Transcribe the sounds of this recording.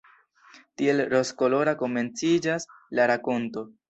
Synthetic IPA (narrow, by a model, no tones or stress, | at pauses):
tie̞lɾo̞sko̞lo̞ɾako̞me̞nt͡sid͡ʒas | laɾako̞nto̞